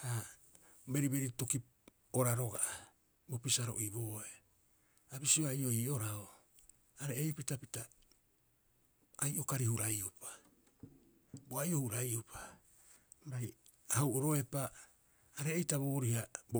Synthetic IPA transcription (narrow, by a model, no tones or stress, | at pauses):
ha | be̞ɾibe̞ɾitokip̚ | oɾaɾo̞ɡaʔa | bo̞pisaɾo̞̰ʔibo̞ːe | abisioajo̞iːo̞ɾao | aɾeejpitapita | ajʔo̞kaɾihuɾajupḁ | boajo̞huɾajupʰḁ | ɾaj | ahwʔoɾo̞e̞paː | ɾe̞ːjtaβoːɾihabo